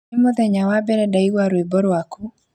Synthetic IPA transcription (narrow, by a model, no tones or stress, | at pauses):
mɔðɛɲawabɛɾɛdaiwaɾwebɔɾwaku